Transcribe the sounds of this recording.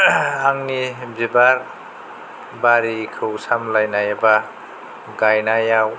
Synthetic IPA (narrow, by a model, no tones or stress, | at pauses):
aŋnibibaɾ | baɾikʰɯwsamlajnajaba | ɡajnajaw